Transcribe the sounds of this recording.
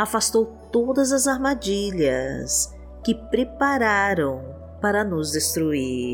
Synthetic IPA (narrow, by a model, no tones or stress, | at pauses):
afast̪owt̪od̪ɐzɐzaɾmad͡ʒiʎɐ̰s | kɪpɾepaɾaɾɐ̃w̃ | paɾɐnʊzd̪est̪ɾui